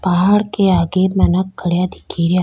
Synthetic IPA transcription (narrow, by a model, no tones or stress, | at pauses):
paɦaːɽkeaːɡemənəkːəɽjad̪ikʰiɾja